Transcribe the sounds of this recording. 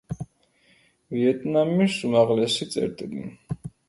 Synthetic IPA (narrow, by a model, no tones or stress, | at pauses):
viɛt̪ʼnamisumaʁlɛsit̪sʼɛ̰ɾt̪ʼilḭ